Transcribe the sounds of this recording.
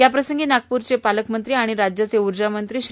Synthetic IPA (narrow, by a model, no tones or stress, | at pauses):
japɾəsəŋɡiːnak̚puɾt͡sepaləkmənt̪ɾiːaɽ̃iɾad͡ʑjat͡seuɾd͡ʑamənt̪ɾiːɕ